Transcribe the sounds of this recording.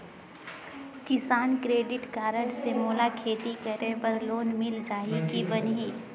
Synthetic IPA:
kɪsaːnkɾeːɖɪʈkaːɾəʈsemoːlakʰeːt̪ikəɾepəɾloːnmɪld͡ʒaːɦikibənɦiː

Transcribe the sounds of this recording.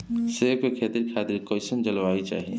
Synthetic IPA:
seːmekʰeːt̪iɾkʰaːt̪iɾkɔɪsənd͡ʒəlʋaːit͡ʃa̰ːɦiḛ

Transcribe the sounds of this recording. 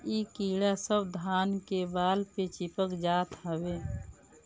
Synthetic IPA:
iːkiːɽasəbd̪ʱaːnkebaːlpet͡ʃɪpəkd͡ʒaːt̪ɦəweː

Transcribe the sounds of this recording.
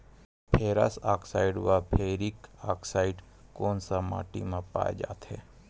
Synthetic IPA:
pʰeːɾa̰saːksaːiɖʋapʰeɾikaːksaːiɖ | koːnsama̰ːʈḭmãpa̰ːḛd͡ʒa̰ːt̪hḛ

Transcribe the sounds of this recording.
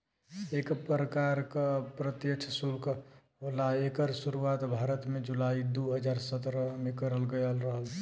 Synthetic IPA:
ekpɾəkaɾkapɾət̪jəkt͡ʃʰəsulkʰ | ɦolaekəɾsuɾuaːt̪bʱaːɾət̪mẽd͡ʒulaːid̪oɦəd͡ʒaːɾsət̪ɾəmẽkəɾəlɡəjəlɾəɦəl

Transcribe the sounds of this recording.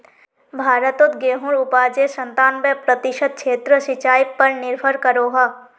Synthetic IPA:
bʱaːɾət̪ot̪ɡeːɦuɾʊpaːd͡ʒesə̃nt̪aːnbepɾət̪ɪʃəd̪̚t͡ʃʰeːt̪ɾəsɪt͡ʃaːjpɐɾnɪɾbʰʱəɾkəɾoːɦaː

